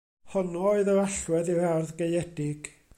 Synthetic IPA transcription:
hɔnuoɨðəaɬwɛðiarðɡejɛdɪɡ̥

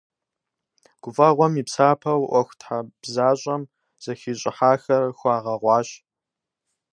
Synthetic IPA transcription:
ɡ̥ʷʊvʼɐʁʷɔmiːpsaːpʰɐwʔʷɔxʷtħab̥zaːɕʼɐm | z̥ɐxiːɕʼɪħaːxɐrxʷɑːʁɐʁʷɑːɕ

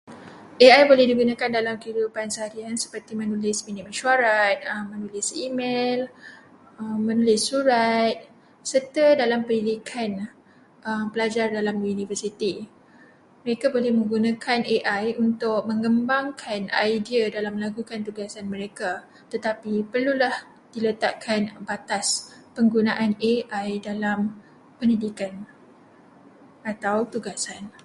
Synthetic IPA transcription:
ʔeajbolɛhdiɡunãkandalamkəidupansəɦaɾiansə̥pərt̪imənulɪsminit̪məʃuaɾanəmːənulɪsimel | əmːənulɪsːuɾat̪̚ | sərt̪ədalampənilikʰan | ʔəmpəlad͡ʒardalamunifərsit̪i | məɾekabolɛhmə̃ŋɡunakʰaneʔajunt̪ʊk̚mə̃ŋɡəmbaŋkʰanajdiadalamːəlaɡukant̪uɡasanməɾeka | t̪ət̪apipərlulah | d̥ilət̪aʔkʰanbat̪aspəŋɡunaʔaneʔajdalam | pənidikan | at̪awt̪uɡasan

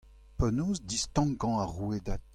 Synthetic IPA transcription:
pɔnoːzdist̪ɑ̃ɡɑ̃aʁued̪at̪̚

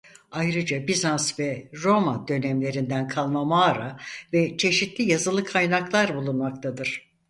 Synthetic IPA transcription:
ajɾɯd͡ʒabizansvɛɾo̞mad̪ø̞nɛmlʲe̞ɾind̪ænkʰalˠmamaːɾavɛt͡ʃʰe̞ʃit̪lʲijazɯlˠɯkʰajnaklˠaɾbulˠunmak̚t̪ʰad̪ɯɾ̥

